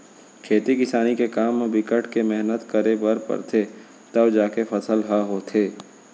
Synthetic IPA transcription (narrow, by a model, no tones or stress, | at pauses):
kʰeːt̪ikɪsaːnikekaːmbɪkəʈʰkemɛɦnət̪kəɾebəɾpə̰ɾt̪ʰe | t̪ɐbd͡ʒaːkefʰɐsəlɦaɦoːt̪ʰeː